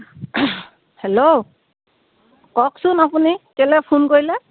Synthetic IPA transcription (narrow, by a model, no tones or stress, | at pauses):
hɛlo | kɔksʊnapunikɛlɛpʰunkoɹilɛ